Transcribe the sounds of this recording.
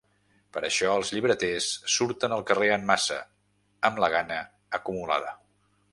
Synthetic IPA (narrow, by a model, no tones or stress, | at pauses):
pəɾəʃɔəlˠzʎiβɾət̪esːuɾt̪ənəlˠkəreəmːasə̰ | əmləɣ̞anə | əkumula̰ðə